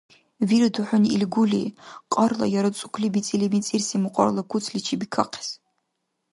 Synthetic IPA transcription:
viɾduħʷʊnḭlɡʷulḭqʼɐrlɐ̰jaɾɨt͡sʷʼʊ̥kʷʰlibit͡sʼilimit͡sʼirsimuqʷʼɔ̰rlakʷʰʊt͡sʰlit͡ʃʰibikʰa̰qʰe̥s

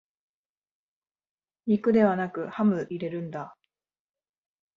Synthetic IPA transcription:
ɲʲikɯ̟d̪e̞βanakɯ̟hamɯ̟ʔiɾe̞ɾɯ̟̃nd̪a

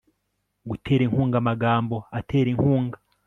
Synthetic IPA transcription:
ɡutʰe̞ːɾeŋ̥huːŋɡamaɡaːmbo̞atʰe̞ːɾeŋhuːŋɡa

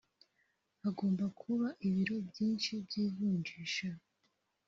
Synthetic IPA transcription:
aɡo̞ːmbakʰuβaʔiβiɾo̞bjiːnʃibɟiːzuːɲd͡ʒiːʃa

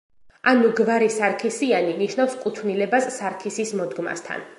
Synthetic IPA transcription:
anuɡvaɾisaɾkʰisianiniʃnafskʼut̪ʰvnilɛbasːaɾkʰisismɔd̪ɡma̰st̪ʰa̰n

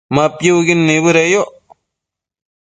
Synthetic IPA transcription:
mapjuɡinːibɨɾejoʔ

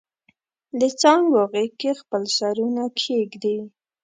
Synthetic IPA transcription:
d̪ət͡sɑŋɡwɑɣəkexpəlʃaɾunakʰeɡd̪i

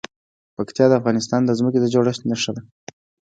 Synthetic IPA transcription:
pakt̪ijɑd̪əafɣɑnɪs̬t̪ɑnd̪əzmək̬ed̪əd͡ʒoɽaʃnaʂəd̪a

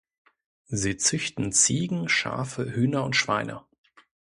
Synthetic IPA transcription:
ziːt͡sʏçtn̩t͡siːɡŋ̩ʃa̰ːfəhyːnɐʊntʃv̥a̰ɪnʔɐ̰

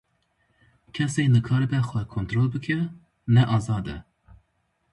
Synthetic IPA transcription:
kʲʰɛseːnɨkʰɑːɾəbɛxʷɛkʰont̪ɾoːlbɨkʰɛ | nɛʔɑːzɑːd̪ɛ̰

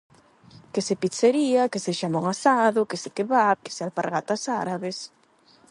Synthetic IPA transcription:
kesepiseɾiakeseʃamoŋasaðʊkesekeβap̚ke̥sealpaɾɣat̪asaɾaβes

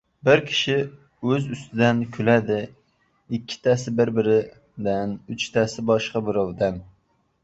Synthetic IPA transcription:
bɪɾkʲʰi̥ʃɪ | øzyst̪ʰɪd̪ɛnkʲʰylæd̪ɪ | ɪkʲʰːɪ̥t̪ʰɛsɪbɪɾbɪɾɪ | d̪ɛnyt͡ʃt̪ʰɛsɪbɑʃqɑbɪɾɑwd̪ɛn

